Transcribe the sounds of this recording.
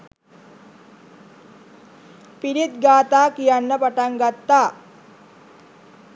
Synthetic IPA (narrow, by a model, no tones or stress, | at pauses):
piɾit̪ɡaːt̪aːkijanːəpɐʈaŋɡat̪ːaː